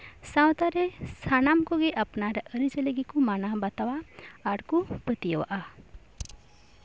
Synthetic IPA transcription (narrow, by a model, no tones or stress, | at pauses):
sãwt̪aɾesanamkoɡeʔɐpnaɾeʔəɾid͡ʒəleɡikumanabat̪awaːɾkupət̪ijəwa̰ʔa